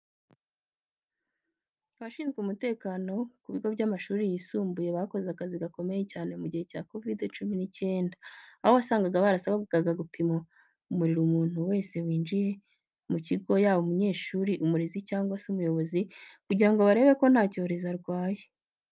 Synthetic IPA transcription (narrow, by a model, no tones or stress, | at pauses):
βaʃiːnzɡeumute̞ːkaːno̞kuβiɡo̞βɟamaʃuːɾijiːsuːmbuje̞βaako̞zeakaziɡako̞me̞je̞caːne̞muɟihe̞ca̰ːko̞vidt͡ʃuminice̞ːndaaho̞βasaːŋɡaɡaβaɾasaβaɡuɡaɡaɡupʰimo | umuɾiɾumuːn̥huwe̞ːse̞wiːnd͡ʒije̞ | muciɡo̞jaːβoumuɲe̞ːʃuːɾiʔumuɾezicaːŋɡwasumujo̞βo̞zikuɟiɾaŋɡo̞βaɾe̞ːβe̞ko̞n̥haːco̞ːɾezaɾɡwaːje